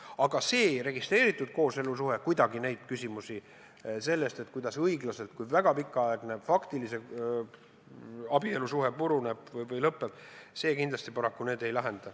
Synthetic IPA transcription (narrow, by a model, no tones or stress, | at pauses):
ɑɡ̥ɑse̞ːɾe̞ɡ̥ist̪re̞ːɾit̪ːˑud̪̥̚ko̞ːse̞lus̬uɦe̞kujd̪ɑɡine̞jd̪̥̚kysʲimusi | se̞lːe̞st̪e̞t̪kujd̪̥ɑsɤiɡlɑse̞lt̪̚kujvæɡ̥ɑpikˑːɑɑeɡ̥nefɑkt̪ilise̞ | ɑb̥ie̞lusuɦe̞puɾuneb̥vɤjvɤjlɤpːeb̥se̞ːkind̪lɑst̪ipɑɾɑkːune̞ːd̪e̞jlɑɦe̞nd̪̥ɑ